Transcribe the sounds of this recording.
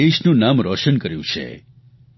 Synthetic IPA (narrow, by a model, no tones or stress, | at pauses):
eʃnũnamɾɔʃənkəɾjṵ̃t͡ʃʰḛ